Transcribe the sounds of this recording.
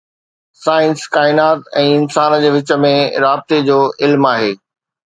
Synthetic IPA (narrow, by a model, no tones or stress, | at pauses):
saːɪnskaːɪnaːt̪ɛ̃ːɪnsaːnd͡ʑeːʋɪt͡ɕə̆mẽɾaːb̚t̪ed͡ʑoːʔɪlmaːɦeː